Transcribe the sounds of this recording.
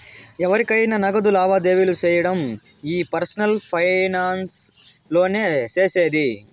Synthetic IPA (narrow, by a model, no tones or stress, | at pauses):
ɛʋɐɾikɐjnɐnɐɡɐd̪ulaːʋaːd̪e̞ːʋilut͡ʃɛːjɐɽɐm | iːpɐɾsɐnɐlpʰɐjnaːnslo̞ːneːt͡ʃeːseːd̪i